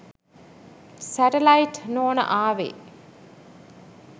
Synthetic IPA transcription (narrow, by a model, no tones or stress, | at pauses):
sæʈelaiʈnoːnə̰ʔaːʋḛ